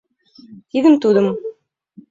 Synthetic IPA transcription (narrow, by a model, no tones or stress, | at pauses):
t̪iɡɘnt̪ud̪ɤm